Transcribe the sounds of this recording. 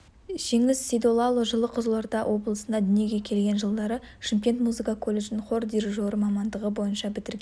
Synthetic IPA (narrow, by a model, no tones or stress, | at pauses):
ʒ̥e̞ŋɪzsʲijd̪o̞lˠɑlˠoʒəlˠəqʰʊzəlˠɑɾd̪ɑwʔo̞bəlˠəsənd̪ɑd̪ʏne̞ɡʲe̞kʲʰe̞lɡʲe̞nʒəlˠd̪ɑɾəʃɪmkʲe̞nt̪muzɨkɑkʰo̞lʲˠːe̞ʒnɪŋχord̪iɾʒo̞ɾəmɑmɑnd̪əʁəbo̞jənʃɑbɪt̪ɪɾɡʲe